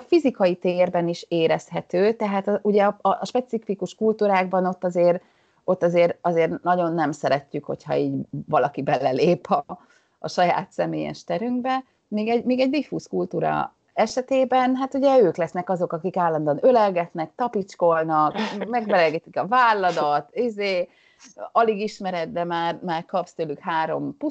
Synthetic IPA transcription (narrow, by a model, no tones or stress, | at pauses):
fizikɒjit̪eːrbɛniʃeːɾɛshɛt̪øːt̪ɛɦaːt̪ɒʔuɟɛɒʔʃpɛt̪sifikuʃkult̪uːɾaːɡbɒno̞t̪ːɒzeːr | o̞t̪ːɒzeːɾɒzeːrnɒɟo̞nːɛmsɛɾɛcːykho̞̰chɒ̰iːɟvɒlɒkibɛlɛleːpʰɒ | ɒʃɒja̰ːt̪sɛmḛːjɛ̰ʃt̪ɛɾyŋɡbɛ | miːɡɛɟmiːɡɛɟd̪ifuːskult̪uːɾɒ̰ | ɛʃɛt̪eːbɛnɦat̪uɟɛøːklɛsnɛkɒzo̞kɒkikaːlːɒnd̪oːnølɛlɡɛt̪nɛkt̪ɒpit͡ʃko̞lnɒkmɛɡmɛlɛɡɛt̪ikɒvaːlːɒd̪ɒt̪izeː | ɒliɡiʃmɛɾɛt̪̚d̪ɛmaːrmaːrkɒpst̪øːlykhaːɾo̞̰mpu